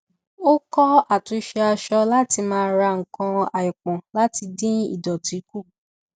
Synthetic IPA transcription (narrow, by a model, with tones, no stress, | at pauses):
o˦kɔ˦a˦˨tũ˨˧ʃɛ˧a˧ʃɔ˧la˦ti˧mãː˦˧˦ɾa˧ŋ̩˨kã˧a˨jɔ˨k͡pã˨la˦ti˧dĩ˦ḭ˦˨dɔ˨ti˨˦ku˦˨